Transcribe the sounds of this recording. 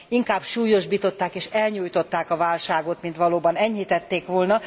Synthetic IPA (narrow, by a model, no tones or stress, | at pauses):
iŋkaːbʃuːjo̞ʒbiːt̪o̞t̪ːaːkeːʃɛlɲuːjt̪o̞t̪ːaːkɒvaːlʃaːɡo̞t̪mint̪ʋɒloːbɒnɛɲhit̪ɛt̪ːeːkʋo̞lnɒ